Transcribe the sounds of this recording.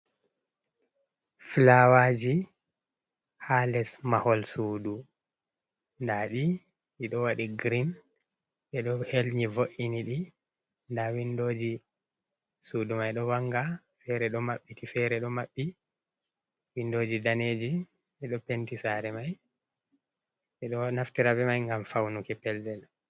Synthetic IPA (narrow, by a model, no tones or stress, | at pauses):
flawad͡ʒi | halɛsmahɔlsuːdu | ndaɗi | ʔiɗɔwaɗiɡɾin | ɓɛɗɔhelɲivoʔiniɗi | ndawindoːd͡ʒi | suːdumajɗɔwaŋɡa | fɛɾɛɗɔmaɓːitifɛɾɛɗɔmaɓːi | windoːd͡ʒidaneːd͡ʒi | ɓɛɗɔpentisaɾɛmaj | ɛɗɔnaftiɾabɛmajŋɡamfawnukɛpɛldɛl